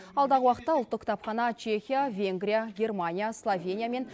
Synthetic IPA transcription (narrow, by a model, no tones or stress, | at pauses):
ɑlˠd̪ɑʁəwɑqət̪ːɑʊlˠt̪ːəqkʰt̪ɑpχɑnɑt͡ʃʰe̞xʲijavʲe̞ŋɡɾʲijaɡʲe̞rmanʲijaslˠovʲe̞nʲijame̞n